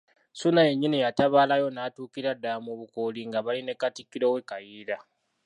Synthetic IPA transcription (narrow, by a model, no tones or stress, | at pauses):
sunaje̞ɲːinijataβaːlajo̞naːtuːkiɾadːamoβukoliŋɡaβaline̞katikːiɾo̞ːwe̞kajiːɾa